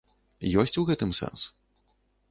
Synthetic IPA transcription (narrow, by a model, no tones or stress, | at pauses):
jɔsʲt͡sʲuwɣɛt̪ɨmsɛ̰nsu̥